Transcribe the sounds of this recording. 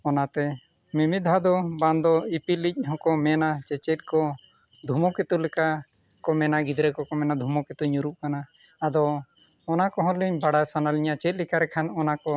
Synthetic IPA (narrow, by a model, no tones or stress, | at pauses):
ɔnat̪ɛ | mimid̪ʱad̪ɔband̪ɔipilic̚ˀɦɔ̃kɔmɛnat͡ʃɛt͡ʃɛt̪̚kɔ | d̪ʱumɔkɛt̪ulɛka | kɔmɛnaɡid̪ɾɛkɔkɔmɛnad̪ʱumɔkɛt̪uɲuɾuʔkanaːd̪ɔː | nakɔɦɔ̃liɲbaɽajsanaliɲat͡ʃɛt̪̚ˀlɛkaɾɛkʰanɔnakɔ